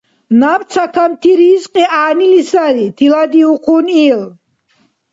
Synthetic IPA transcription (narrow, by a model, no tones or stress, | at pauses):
napt̪sʰakʰamt̪ʰiɾiːsqʼiaːnilisaɾit̪ʰilad̪iuqʰunil